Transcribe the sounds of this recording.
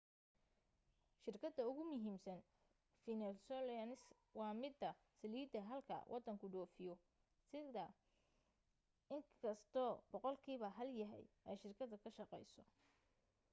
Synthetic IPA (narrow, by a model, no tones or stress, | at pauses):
ʃɪrkʰɐd̪ɐʊɣʊmʊɦiːmsɐn | finɛsɔlnɪs | wɑːmɪd̪ɐ | sɐliːd̪ɐɦɐlkʰɐ̰wʔɑd̪ɐŋkʰʊɖɔːfɪjɔ | sɪðɐ | ɪŋkʰɐst̪ʰɔːbɔqɔlkʰiːβɐɦɐljɐɦɛ̰j | ɛjʃɪrkʰɐðɐkʰɐʃɑqɛjsɔ